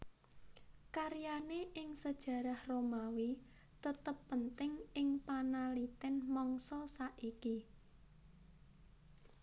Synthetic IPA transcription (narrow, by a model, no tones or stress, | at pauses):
kaɾjaneʔɪŋsəd̥ʒ̥ä̤ɾahromawi | t̪ət̪əpːənt̪ɪŋɪŋpanalit̪ɛnmɔŋsɔsaʔiki